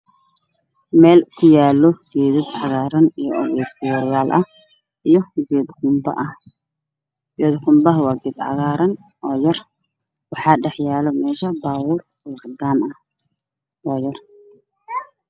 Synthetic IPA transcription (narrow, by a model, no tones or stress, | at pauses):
mɛːlkʰʊjaːlːɔɡ̥ɛːðɪd̪ʕɑɣaːɾɐnijɔɔɣɛːsɪjɔɾjaːlʔɐ | ijɞɡɛːd̪kʊmbɐ̰ʔɐ | jɛd̪qʊmbɐɦwɑɡɪd̪ʕɑ̰ɣaːɾɐn | ʔɔːjɐr | wɑħɑːɖɛħjaːlɔmɛːʃɐbaːwʊrwɔd̪aːnɐ | ʔɔːjɐr